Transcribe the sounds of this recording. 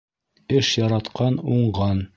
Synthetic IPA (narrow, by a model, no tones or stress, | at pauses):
ɘʃjɑɾɑt̪qɑnuɴɢɑn